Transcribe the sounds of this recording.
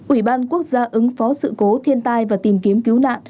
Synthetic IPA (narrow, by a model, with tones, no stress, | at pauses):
ʔwi˧˩ɓaː˧nku˦˥ək̚zaː˧ʔɨ˨˦ŋfɔ˨˦sɨ̰˧˨ko˨˦t̪ʰi˧ənt̪aː˧jvaː˨˩t̪i˨˩mki˨˦əmki˨˦wna̰ː˧˨n